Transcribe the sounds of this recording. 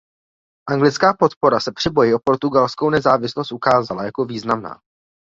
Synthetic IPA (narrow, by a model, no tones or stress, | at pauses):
ʔaŋɡlɪt͡skaːpo̞t̪po̞ɾasɛpr̥ɪbo̞jɪʔo̞po̞ɾt̪uɡalskownɛzaːvɪslost̪ʔukaːzalajako̞viːznamna̰ː